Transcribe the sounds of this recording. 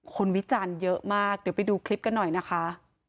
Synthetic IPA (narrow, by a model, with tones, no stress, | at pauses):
kʰo˧nwi˦˥t͡ɕaː˧njɤ˦˥ʔmaː˥˩k̚dɯ˨˩˦pa˨˧jduː˧kʰli˦˥p̚ka˧nːɔ˨˩jna˦˥kʰa˦˥ʔ